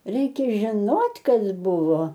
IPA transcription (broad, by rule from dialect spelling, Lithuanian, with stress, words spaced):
ˈrʲɛɪkʲɛ ʒʲɪˈnoːtʲ ˈkɐs ˈbʊʋoː